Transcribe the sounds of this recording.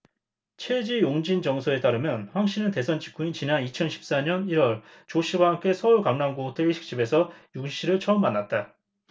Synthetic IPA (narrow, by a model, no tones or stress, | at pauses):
t͡ɕʰed͡ʑijoŋd͡ʑind͡ʑʌŋsʰoe̞t͈aɾɯmjʌnɸwaŋɕ͈ʰinɯnte̞sʰʌnt͡ɕʰi̥k͈ʰuint͡ɕinanit͡ɕʰʌnɕʰi̥p̚s͈aɲʌniɾwʌɭ | t͡ɕoɕ͈ʰiwaɦamk͈e̞sʰʌuɭkaŋnaŋɡotʰeɕʰi̥k̚t͡ɕ͈ibe̞sʰʌjukɕ͈ʰiɾɯɭt͡ɕʰʌʌmːanːat̚t͈a